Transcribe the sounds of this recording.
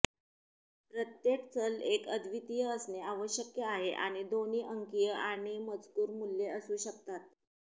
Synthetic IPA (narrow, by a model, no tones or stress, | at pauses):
pɾət̪jekt͡səlekəd̪ʋit̪ijəəsneaʋəɕjəkjəaɦeʔa̰ɽ̃id̪oniːʔəŋkijəaɽ̃iməd͡zkuːɾmuljeəsuːɕək̚t̪at̪̚